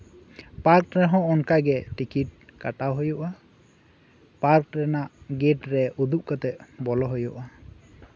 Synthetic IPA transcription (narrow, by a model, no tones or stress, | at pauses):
paɾk̚ɹɛɦɔ̃ʔɔnkaɡɛtikit̚kataɦojɔʔa | paɾk̚ɹɛnaʔɡetɹɛʔud̪uʔ̚kat̪ɛʔbɔlɔɦojɔʔa